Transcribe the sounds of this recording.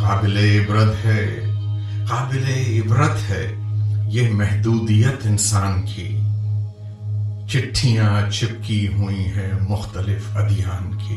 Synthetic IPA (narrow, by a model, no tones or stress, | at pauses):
qaːbɪleɪbɾəd̪ɦɛː | qaːbɪleɪbɾət̪ɦɛːjemɛɦd̪uːd̪ijət̪ɪnsaːnkḭ | t͡ʃɪʈʰːijãt͡ʃɪp̚kiɦuiɦɛ̃mʊxt̪əlɪfɐd̪ijaːnkḭː